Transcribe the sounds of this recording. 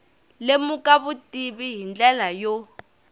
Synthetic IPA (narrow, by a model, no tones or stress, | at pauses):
lemukaβutʼiβiɦind͡ɮɛlajo